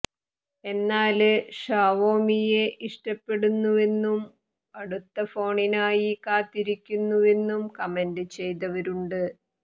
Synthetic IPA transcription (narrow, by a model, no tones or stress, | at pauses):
e̞nːaːlɨʂaːʋo̞ːmije̞ʔiʂʈɐpːe̞ɽunːuʋe̞nːum | ɐɽut̪ːɐfo̞ːɳinaːjikaːt̪ːiɾikʲːunːuʋe̞nːumkɐmendɨt͡ɕe̞jt̪̬ɐʋɐɾuɳɖɨ